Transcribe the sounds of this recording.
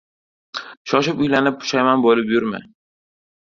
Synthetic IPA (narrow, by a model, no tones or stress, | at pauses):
ʃɒʃɪpʊjlanɪp̚ːʊ̥ʃajmanbolɪpjʊɾma̰